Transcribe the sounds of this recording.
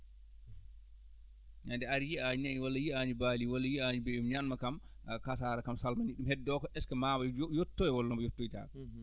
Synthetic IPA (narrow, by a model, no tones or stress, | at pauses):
ɲandɛaɾjiaɲiɲajwalːajiaɲibaːliwalːajiaɲibeumɲanmakamkasaːɾakamsalmaniɗumhɛdːɔkɔʔɛskamaːbɔjotːɔjɛwɔlːɔmbɔjotːojita̰ːkɔ